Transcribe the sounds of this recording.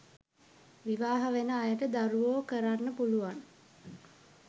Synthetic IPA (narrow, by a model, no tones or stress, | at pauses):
ʋiʋaːɦəʋenəajəʈəd̪aɾuʋoːkəɾanːəpuluʋaŋ